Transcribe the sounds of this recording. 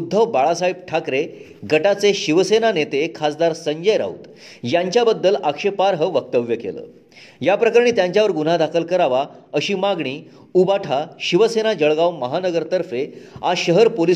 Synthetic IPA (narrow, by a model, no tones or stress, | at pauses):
ud̪ʱːəʋbaɭasaib̚ʈʰakɾe | ɡəʈat͡seɕiʋsenanet̪ekʰasd̪aɾsəɲd͡ʑəjɾa̰ṵt̪ | jaɲt͡ɕjabəd̪ːəlakʂepaɾɦəʋək̚t̪əʋjəkḛlə̰ | japɾəkəɾɳ̃iːt̪jãɲt͡ɕjaʋəɾɡun̤ad̪akʰəlkəɾaʋaəɕiːmaɡɳ̃iː | ubaʈʰaɕiʋəsenad͡ʑəɭɡawməɦanəɡəɾt̪əɾfeaɕəɦəɾpoli